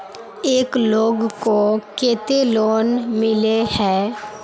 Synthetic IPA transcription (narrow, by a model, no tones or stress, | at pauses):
eːkloːɡkokeːt̪eloːnmɪlehɛː